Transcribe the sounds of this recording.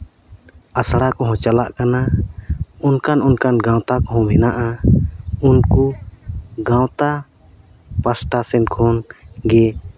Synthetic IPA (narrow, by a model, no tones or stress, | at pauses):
asɽakɔɦɔ̃t͡ʃalaʔkana | unkanunkanɡãwt̪akɔɦɔ̃bɛnaʔa | unku | ɡãwt̪a | pasʈasɛnkʰɔnɡɛ